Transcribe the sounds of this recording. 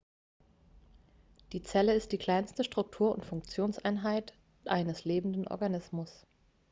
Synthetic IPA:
d̥iːt͡sɛləɪstd̥iːkl̥aɪnstəʃtʁ̥ʊk̚tʰuːɐʊ̰ntfʊŋk̚t͡sjoːnsʔa̰ɪnɦaɪt | ʔaɪnəsleːbm̩n̩dənʔɔ̰ɐɡanɪsmʊs

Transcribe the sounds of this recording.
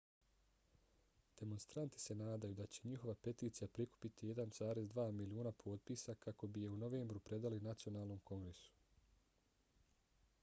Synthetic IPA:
d̪̥e̞mo̞nst̪ɾant̪i̥se̞naːd̪ajud̪at͡ɕe̞ɲixo̞ʋape̞t̪iːt̪sijapɾiku̥pit̪ije̞d̪anz̥aːɾe̞zd̪ʋaːmilioːnapʰo̞ːt̪̚piːsakako̞bije̞uno̞ʋe̞ːmbɾupɾe̞d̪alinat̪sio̞naːlˠno̞mko̞ŋɡɾe̞su̥

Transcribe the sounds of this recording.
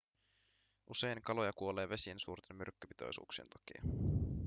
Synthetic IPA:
ʔuse̞jnkɑlo̞jɑkuo̞le̞ːʋe̞siensuːrt̪e̞mːyrkːøpi̥t̪o̞̰jsṵːksient̪ɑkḭɑ̰

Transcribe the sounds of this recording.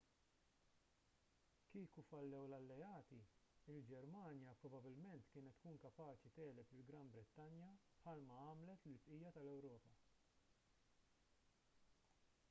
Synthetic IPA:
kiːkufɐlːɛwlɐlːɛɐːt̪iɪld͡ʒɛɾmɐːnjɐpɾɔbɐbɪlmɛnt̪kɪːnɛt̪ːkuːnkɐpɐːt͡ʃit̪ɛːlɛpɪlɡɾɐmbɾɪt̪ːɐnjɐpħɐlmɐɐːmlɛt̪lɪsʔiːjɐt̪ɐlɛwɾɔːpɐ

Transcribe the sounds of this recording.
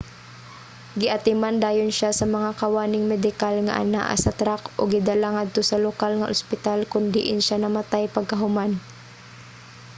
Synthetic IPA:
ɡɪʔɐt̪ɪmand̪aːjonʃasɐmɐŋakɐwaːnɪŋmɛd̪ɪkalŋɐ̰ʔa̰na̰ʔa̰sɐt̪ɾakʔoɡɪd̪alaŋad̪̚t̪osɐlokalŋɐʔʊspɪt̪alkʊnd̪ɪʔɪnʃanɐmat̪ajpɐɡ̚kɐɦʊman

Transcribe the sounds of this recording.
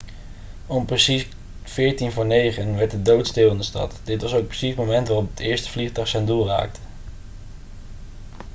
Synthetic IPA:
ɔmprəsi | fɪːɹtinvʊːɹnejχənʋɛɹt̚dədowtstɪːlˠɪndəstɑ̰tdɪtʋɑsowk̚prəsismomɛntʋaːrɔpətɪːɹstə̥v̥liχdɑχsɛndulˠra̰ːk̚tə̥

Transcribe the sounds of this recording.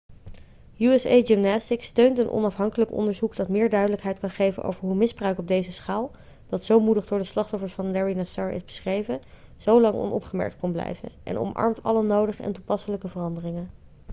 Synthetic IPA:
juɛsejdimnastɪkstøɥntənʔɔ̰nɑfɦɑŋkələkɔ̰ndəɹzukd̥ɑtmɪːɹdœɥdələkɦɛjtkɑnχejvə̰nʔo̰wvəɹɦumɪzbrœɥkɔb̚dejzəsχaːlˠ | d̥ɑtsowmudəχdʊːɹdəslɑχtɔfəɹsfɑnlɛɹinasɑːɹʔɪ̰zbəsχrejvə | z̥owlɑŋɔ̰nɔ̰pχəmɛ̰ɹk̚tkɔnblɛ̰jvə̰nʔɛ̰nɔ̰mʔɑ̰ɹmtɑ̰lənːowdəχəɛ̰ntupɑsələkəvərɑndərɪŋən

